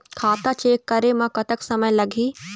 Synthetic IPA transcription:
kʰaːt̪at͡ʃeːkːɐɾemãkɐt̪əksɐməjlɐɡʱiː

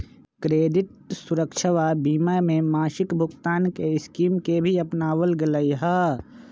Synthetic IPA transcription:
kɾeːɖɪʈ̚sʊɾəkʃʰəʋabiːmamẽmaːʃɪkbʱʊɡt̪aːnkeɪskiːmkebʱiɐpnaːwəlɡɪləiɦə

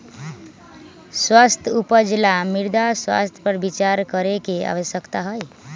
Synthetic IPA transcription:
swast̪ʰupəd͡ʒlamiɾd̪aswa̰st̪ʰjpəɾbit͡ʃaɾkəɾekea̰ʋəsjəkt̪aɦəj

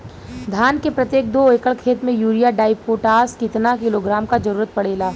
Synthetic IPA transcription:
d̪ʱaːnkepɾɐt̪jeːk̚d̪oːeːkəɭkʰeːt̪mẽjuːɾijaɖaːɪpoːʈaːskɪt̪nakɪloːɡɾaːmkad͡ʒɐɾuːɾət̪̚pɐɽeːlaː

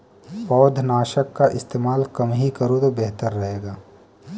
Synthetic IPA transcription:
pɔːd̪ʱnaːʃəkːaʔɪst̪eːmaːlkɐmɦikɐɾot̪obɛɦt̪əɾːɐɦeːɡaː

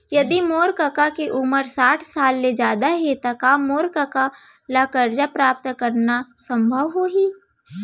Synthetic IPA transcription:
jɐd̪imoːɾkəkakeʔuməɾsaːʈʰsaːlmed͡ʒaːd̪aɦet̪akaːmːoːɾkaka | laːkəɾd͡ʒapɾaːp̚t̪kɐɾnasɐ̃mbʱəʋɦoɦiː

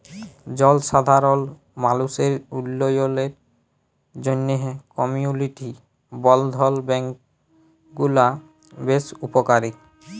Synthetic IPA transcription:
d͡ʑɔlʃad̪ʱaɾɔl | maluseɾulːojoleɾ | d͡ʑonːeɦkɔmiuniʈi | bɔld̪ʱɔlbɛŋk | ɡula | besupokaɾik

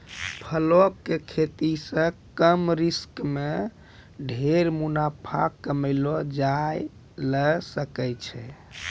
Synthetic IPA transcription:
pʰəlokːekʰet̪isə̃kəmɾiskme | ɖʱeɾmunapʰa̰kːəməɪlɔd͡ʒaj | ləsəkɛjt͡ʃʰɛ

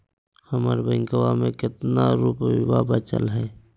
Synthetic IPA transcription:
həməɾbəŋkəwamẽkɪt̪naɾuːpwabət͡ʃə̰lɦɛː

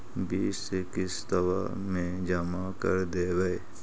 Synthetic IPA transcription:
biːʃsekɪsd̪əʋa̰ | mẽd͡ʒəmakə̰ɾd̪eːʋəe

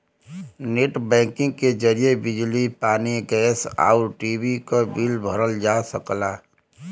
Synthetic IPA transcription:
neʈbɛ̃ːkɪ̃ŋɡked͡ʒəɾijebɪd͡ʒlipaːniɡɛːsa̰ːʊɾʈiːbikobilbʱəɾəld͡ʒaːsəklaː

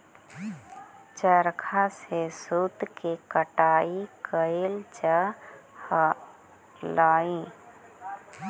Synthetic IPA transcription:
t͡ʃəɾkʰasesut̪kekəʈaːikəelt͡ʃah | laːĩ

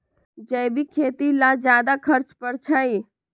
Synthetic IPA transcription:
d͡ʒəjbikʰeːt̪ilad͡ʒjaːd̪akʰəɾt͡ʃpəɾt͡ʃʰai

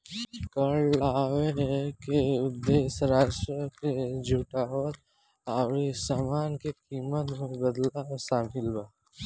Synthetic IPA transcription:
kəɽaːweɦkeʊd̪eːsɾaːʃɾəked͡ʒʱuʈaːwət̪̚ | awɾisaːmaːnkekiːmət̪mẽbəd̪lasaːmɪlbaː

